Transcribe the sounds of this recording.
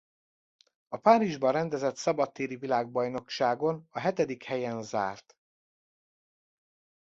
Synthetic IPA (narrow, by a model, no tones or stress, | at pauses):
ɒpaːɾiʒbɒrɛnd̪ɛzɛt̪sɒbɒt̪ːeːɾivilaːɡ̚bɒjno̞kʃaːɡo̞nɒɦɛt̪ɛd̪ikhɛjɛnza̰ːrt̪